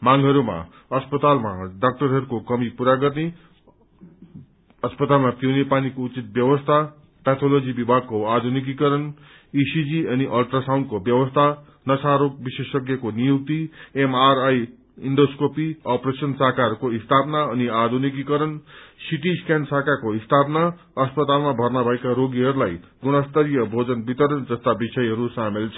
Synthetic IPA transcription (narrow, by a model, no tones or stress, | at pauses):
maŋɡɦʌɾuma̰ | ʌspʌt̪alma̰ɖak̚ʈʌɾɦʌɾukokʌmipuɾaɡʌrne | ʌspʌt̪almat̪jonepanikout͡sit̪̚bjʌwʌst̪ʰa | pet̪ʰolod͡zibibʱaɡ̚koad̪ʱunik̬ikʌɾʌn | isid͡ziʌniʔʌlʈɾasaw̃ɳɖ̚kobjʌwʌst̪ʰa | nʌsaɾok̚bisesʌɡjʌkonijuk̚t̪iemaɾaj | iɳɖoskopiʌpresʌnsaɦkarkoɦist̪ʰapnaʌniad̪ʱunik̬ikʌɾʌnsiʈ̬iskansakakoɦist̪ʰapna | ʌspʌt̪almabʱʌrnabʱʌjkaɾoɡiɦʌɾulajɡunʌst̪ʌɾijʌbʱod͡zʌnbit̪ʌɾʌnd͡zʌst̪abisʌjɦʌɾusamelt͡sʰʌ